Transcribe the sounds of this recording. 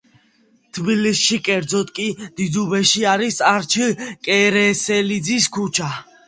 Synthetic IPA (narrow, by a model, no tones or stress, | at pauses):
t̪ʰbilisʃikʼɛɾd̪zɔt̪ʼkʼid̪̥id̪ubɛʃiaɾisaɾt͡ʃʰəkʼɛɾɛsɛlid̪ziskʰut͡ʃʰa